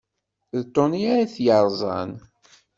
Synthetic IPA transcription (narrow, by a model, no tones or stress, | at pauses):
ðt̪ˤːoniaɾaθjəɾˤzˤɑ̰n